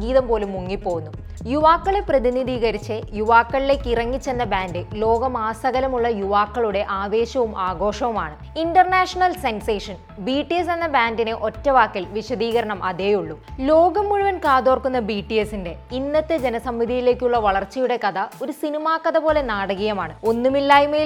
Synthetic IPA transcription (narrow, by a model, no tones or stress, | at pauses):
ɡiːðɐmpo̞ːlumːuŋːipːo̞ːɣunːu | juʋaːkːɐɭeprɐðiniðiːɣɐɾit͡ɕːejuʋaːkːɐɭile̞ːkːirɐŋːit͡ɕːe̞nːɐbaːndɨlo̞ːɡɐmaːsɐɣɐlɐmuɭːɐjuʋaːkːɐɭuɽe̞ʔaːʋe̞ːɕɐʋumʔaːɡo̞ːʂɐʋumaːɳɨ | inɖɐrnaːʂɐɳɐlsenseːʂɐn | biːʈːijes̬e̞nːɐbaːndinɨʔo̞tːɐʋaːkːilʋiɕɐd̪iːɣɐɾɐɳɐmʔɐðeːjuɭːulo̞ːɡɐmːuɻuʋɐnkaːðo̞ːrkunːɐbiːʈːijesːinde̞inːɐt̪ːɨd͡ʑe̞nɐsɐmːid̪ʱijile̞ːkʲːuɭːɐʋɐɭɐrt͡ɕːɐjuɽe̞kɐðɐo̞ɾusinimaːkːɐðɐpo̞ːle̞naːɽɐɣɐjɐmaːɳɨo̞nːumilːaːjumeː